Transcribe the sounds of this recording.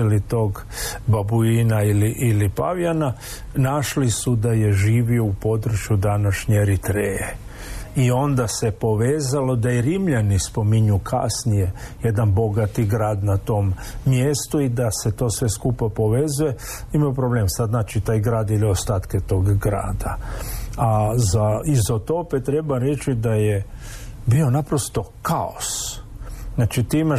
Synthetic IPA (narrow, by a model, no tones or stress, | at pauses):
lit̪o̞ːɡ | babuinailiʔilipa̰ʋjana | naʃlisud̪ajeʒiːʋio̞upo̞d̪ɾt͡ʃjud̪anaʃɲe̞ɾit̪ɾeje | io̞nd̪ase̞po̞ʋeːzalo̞d̪ajeɾimʎanispo̞miɲukʰa̰snije̞ | jed̪anbo̞ɡat̪iɡɾaːd̪nat̪o̞mː | jest̪uid̪ase̞t̪o̞ːsʋe̞skupapo̞ʋe̞zuje̞ | imajupɾo̞bleːmsad̪znaːt͡ʃit̪aːjɡɾaːd̪iliost̪aːt̪ket̪o̞ːɡɡɾa̰ːd̪a | azaizot̪o̞pet̪ɾe̞baɾe̞t͡ʃid̪ajebio̞napɾost̪o̞kao̰s | naːt͡ʃit̪iima